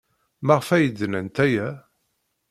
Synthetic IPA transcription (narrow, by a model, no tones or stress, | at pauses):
mæʁfæjəd̪ːnənt̪æjæ